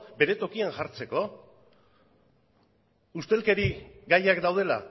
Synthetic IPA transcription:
be̞ɾe̞t̪o̞kianʝaɾt͡se̞ko̞ | ust̪e̞lke̞ɾiɡajakd̪awð̞e̞la̰

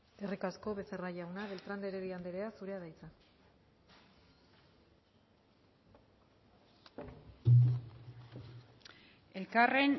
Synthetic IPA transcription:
erikasko̞βe̞seraʝawnaβe̞lt̪ɾand̪eɾeɾiand̪eɾeasuɾe̞aðajt͡sa | elkare̞n

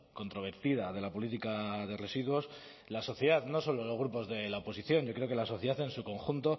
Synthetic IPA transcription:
ko̞nt̪ɾo̞β̞e̞ɾt̪iðaðe̞lapo̞lit̪ikaðe̞re̞siðwo̞s | laso̞θjeðaðno̞so̞lolo̞zɣɾupo̞zðe̞laopo̞s̬iθjo̞nʝo̞kɾeo̞kelaso̞θjðaθe̞nsuko̞ŋxunt̪o̞

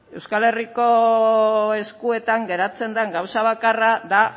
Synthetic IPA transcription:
e̞wskale̞riko̞ | e̞skue̞t̪aŋɡe̞ɾat͡se̞nd̪aŋɡawsaβ̞akaraða

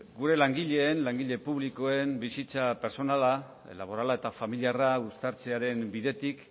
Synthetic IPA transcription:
ɡuɾe̞laŋɡiʎe̞ːnlaŋɡiʎe̞puβliko̞e̞mbisit͡sape̞ɾso̞nala | laβ̞o̞ɾalae̞t̪afamiliaraust̪aɾt͡se̞aɾe̞mbiðe̞t̪ik

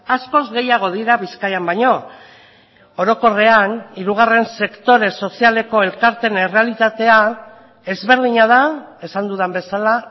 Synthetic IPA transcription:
asko̞zɣe̞jaɣ̞o̞ðiɾaβiskajambaɲo̞ | oɾo̞ko̞re̞aniɾuɣare̞nse̞kt̪o̞ɾe̞so̞siale̞ko̞elkaɾt̪enere̞alit̪at̪e̞a | e̞zβe̞ɾð̞iɲaðae̞sand̪uðambe̞sala

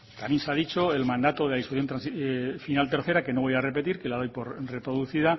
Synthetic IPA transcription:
t̪amje̞nseaðit͡ʃo̞elmãnd̪at̪oðeaðisfuθjo̞nt̪ɾansifinalt̪e̞ɾθe̞ɾake̞no̞βojare̞pe̞t̪iɾkelað̞o̞jpo̞ɾre̞pɾo̞ðuθiða

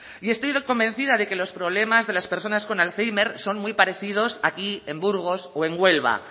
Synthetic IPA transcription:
ie̞st̪o̞jðoko̞mbẽ̞nθiðaðe̞ke̞lo̞spɾo̞β̞le̞mazðe̞laspe̞ɾso̞nasko̞nalθejme̞ɾso̞nmujpaɾe̞θið̞o̞sakie̞mbuɾɣ̞o̞soe̞ŋɡwe̞lβ̞a̰

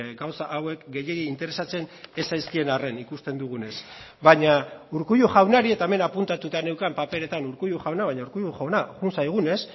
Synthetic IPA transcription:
ɡawsaʔːwe̞kɡe̞jeɣiint̪e̞ɾe̞sat͡se̞ne̞sajskie̞nare̞nikust̪e̞nd̪uɣ̞une̞s | baɲauɾkuʎuʝawnaɾie̞t̪aeme̞napunt̪at̪ut̪ane̞wkampape̞ɾe̞t̪anuɾkuʎuxawnaβajɲauɾkujuxonaɣunsajɣ̞une̞s

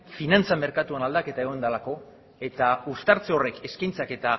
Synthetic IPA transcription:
finant͡same̞ɾkat̪uanald̪ake̞t̪aeɣo̞nd̪alako̞ | e̞t̪aust̪aɾt͡seo̞re̞ke̞skajnt͡sake̞t̪a

